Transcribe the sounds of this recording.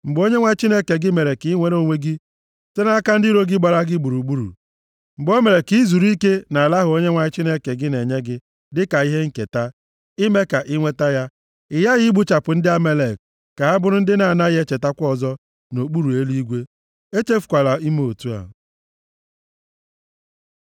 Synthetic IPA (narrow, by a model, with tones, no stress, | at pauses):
ŋ͡m̩˨ɡ͡bo˦ɲe˦ŋʷa˦t͡ʃi˦ne˦ke˨ɡɪ˦me˨ɾe˨ki˨˦i˦ŋʷe˦ɾo˦˨ŋʷe˦ɡi˦ | se˦na˦ka˦n̩˦dɪ˦ɾo˦ɡɪ˦ɡ͡ba˨ɾa˦ɡɪ˦ɡ͡bu˨ɾu˨ɡ͡bu˦ɾṵ˨ | m̩˨ɡ͡bo˦me˨ɾe˨ki˨˦zu˨ɾi˦ke˦na˨a˨la˦ɦʊ˨˦o˦ɲe˦ŋʷa˨ɪ˦t͡ʃi˦ne˦ke˨ɡɪ˦ne˨ɲe˦ɡɪ˦ | dɪ˦ka˨i˦ɦe˦ŋ̩˦ke˨ta˦ | ɪ˦me˦ka˨ʔɪ˦ŋʷe˦ta˦ja˦ | ɪ˨ja˦ɣɪ˦ɡ͡bu˦t͡ʃa˨pʊ˨n̩˦dɪ˦a˦me˦le˨k | ka˨a˦bʊ˦ɾʊ˦n̩˦dɪ˦na˨na˦ɣe˦t͡ʃe˨ta˦kʷɔ˦˨zɔ˦ | no˨k͡pu˦ɾu˨e˦li˦i˦ɡʷe˦ | e˦t͡ʃe˦fu̥˨kʷa˨la˨i˦me˦o˨tu˦a̰˨